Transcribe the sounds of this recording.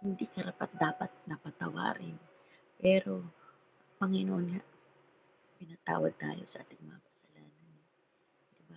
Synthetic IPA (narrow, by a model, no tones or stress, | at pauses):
hɪnd̪ikɐɾapat̪̚d̪aːpɐt̪̚nɐpɐt̪ɐwa̰ːɾɪ̰n | pɛːɾo | ŋpɐŋɪnoʔonŋa | kɪnat̪a̰ːwɐd̪̚t̪a̰ːjo̞sɐʔa̰ːt̪ɪŋmɐŋakɐsɐlaːnan | d̪ɪba